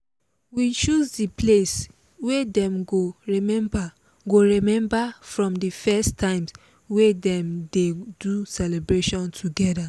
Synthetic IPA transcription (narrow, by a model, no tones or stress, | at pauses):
wit͡ʃuzdipʰles | wedɛ̃mɡoɹimɛba | ɡoɹimɛ̃mbafɹɔ̃mdifɛstʰːãɪ̃ms | wedɛ̃mdedusɛlɛbɹeʃɔ̃ntʰuɡɛda